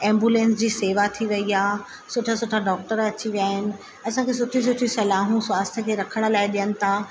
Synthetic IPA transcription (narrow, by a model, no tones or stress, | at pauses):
ɛ̃ːmbjuːlẽːnsd͡ʑiːseːʋat̪ʰiʋɐiaː | sʊʈʰasʊʈʰaɖɔːk̚ʈəɾɐt͡ɕiʋijaːɦɪnɪ̆ | ɐsãkʰes̬ʊʈʰis̬ʊʈʰisɐlaːɦũswaːst̪ʰəkʰeːɾɐkʰəɽ̃̆laːɪɗijənɪ̆t̪ʰaː